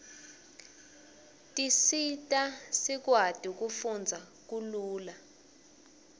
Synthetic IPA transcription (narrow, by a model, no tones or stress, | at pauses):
tʼisitʼasik̬wad̥ʱʼik̬ufund͡zʱa | k̬uluːla